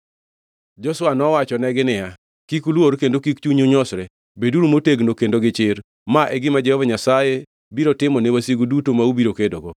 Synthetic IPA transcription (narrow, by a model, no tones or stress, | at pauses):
d͡ʒɔswanɔwat͡ʃɔnɛɡɪnɪa | kikulwoɾkendokikt͡ʃuɲoɲɔsɾɛ | beduɾumoteɡnokendoɡɪt͡ʃɪɾ | maʔɛɡɪmad͡ʒɛhɔvaɲasaje | biɾotɪmɔnɛwasiɡudutomaubiɾokedoɡo